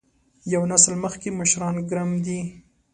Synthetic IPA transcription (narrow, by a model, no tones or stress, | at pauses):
jawnaslməxkeməʃɾɑnɡɾamd̪i